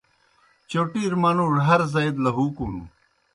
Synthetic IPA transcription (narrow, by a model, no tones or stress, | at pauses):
t͡ɕoːʈiːɾmaːnũːɾɦɐɾzɐjd̪lɐɦuːkuːnṵː